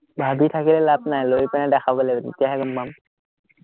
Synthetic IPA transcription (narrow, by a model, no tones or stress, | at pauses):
bʱabit̪ʰakilɛlabnajlojpɛnadɛxabɔlɛdḭtijaɦɛɡəmbam